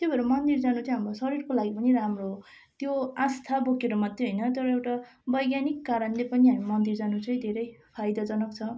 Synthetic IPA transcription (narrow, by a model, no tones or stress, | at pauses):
t̪jobʱʌɾumʌnd̪ird͡zanut͡sʌĩɦamrosʌɾirkolaɡipʌniɾamro | t̪joãst̪ʰabokeɾʌmʌd̪ʱːeɦoʌjnʌt̪ʌɾʌewʈa | bʌjɡjanikːaɾʌnlepʌniɦamimʌnd̪ird͡zanut͡sʌĩd̪ʱeɾʌjpʰajd̪ʌd͡zʌnʌk̚t͡sʰʌ